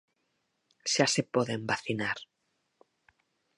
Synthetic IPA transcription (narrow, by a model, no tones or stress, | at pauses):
ʃasepoðembaθinaɾ